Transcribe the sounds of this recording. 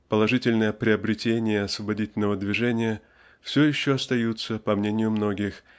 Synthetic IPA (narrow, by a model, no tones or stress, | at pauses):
pəlˠɐʐɨtʲɪlʲnəjəpɾʲɪɐbɾʲɪtʲenʲɪjəɐsvəbɐdʲitʲɪlʲnəvəd̪vʲɪʐɛnʲɪjə | fsʲojɪɕːoɐst̪ɐjut̪səpɐmnʲenʲɪjʊmno̞ɡʲɪx